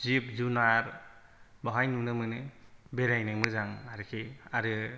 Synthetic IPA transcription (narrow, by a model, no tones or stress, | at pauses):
zip̚zunaɾ | bɔɦajnunɯmɯnɯbeɾajnɯjmɯzaŋaɾɯkʰiaɾɯ